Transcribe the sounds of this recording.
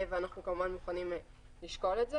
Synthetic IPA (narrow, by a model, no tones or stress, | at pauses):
veanaχnukomuvanmuχanim | liʃko̞letze